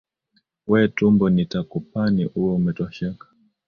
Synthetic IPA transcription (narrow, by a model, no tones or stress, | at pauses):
wɛtumbɔnitakup̚aniʔuwɛumɛtwaʃakḁ